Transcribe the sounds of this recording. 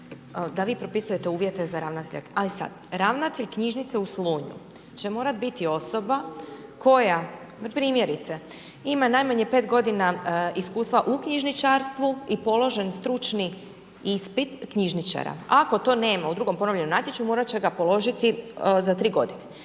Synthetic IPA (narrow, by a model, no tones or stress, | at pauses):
d̪aʋiːpɾo̞pisuje̞t̪e̞uːʋje̞t̪e̞zaɾaːʋnat̪eʎa̰kalisa̰d̪ɾaʋnat̪eʎkɲiʒnit̪seusluːɲṵ | t͡ɕe̞mo̞ːɾat̪bit̪io̞so̞bakʰo̞ja | pɾiːmje̞ɾit̪se | imanaːjmaɲepe̞ːt̪ɡo̞d̪inaiskuːst̪ʋaʔukɲiʒnit͡ʃaɾst̪ʋuipo̞lo̞ʒe̞nst̪ɾut͡ʃni | ispit̪kɲiʒnit͡ʃa̰ɾa̰ako̞t̪o̞ːne̞ːmaud̪ɾuːɡompo̞noʋʎe̞nomnaːt̪ʲjet͡ʃumo̞ːɾat͡ɕe̞ɡapo̞lo̞ʒit̪izat̪ɾiːɡo̞d̪ine